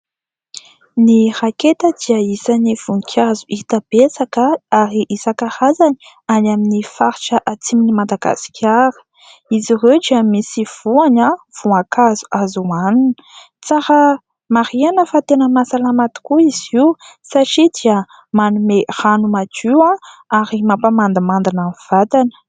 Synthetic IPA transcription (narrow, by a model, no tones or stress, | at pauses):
niraket̪əd̪̥iəisaniv̥unikʰʲazuʔit̪ab̥esakəaɾiʔisakahazani̥ | anaminifaɾiʈ͡ʂəʔat͡siminimad̪aɡa̰si̥kʲʰaɾə̥ | izirewdiamisiv̥uanav̥uakʰazu̥ʔazuaninə | t͡saɾə | maɾianəfat̪enəmasalamat̪u̥kuiz̥iwsaʈ͡ʂid̪iə | manumeranumad͡ʒiwãaɾimapamand̪amand̪anamiv̥at̪anə̥